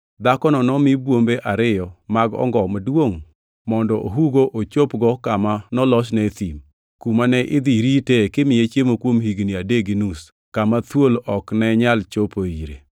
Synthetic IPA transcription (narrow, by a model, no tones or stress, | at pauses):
d̪akɔnɔnɔmɪbwombeʔaɾɪjɔmaɡɔ̰ŋɡɔmadwoŋ | mɔndɔʔoɦuɡoʔot͡ʃopɡɔkamanɔlɔʃnɛt̪im | kumanɛʔɪd̪iɾitekɪmɪjet͡ʃjemokwomɦiɡniadeɡinus | kamat̪wolɔknɛɲalt͡ʃopoiɾḛ